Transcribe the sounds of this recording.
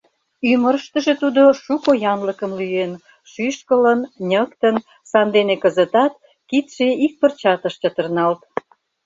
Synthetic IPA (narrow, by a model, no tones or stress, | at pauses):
yməɾəʃt̪əʒet̪ud̪oʃukojɑnləkəmlyen | ʃyʃkələnnʲəkt̪ən | sɑnd̪enekəzət̪ɑt̪ | kit̪ʃeik̚pərt͡ɕɑt̪əʃt͡ɕət̪ərnɑlt̪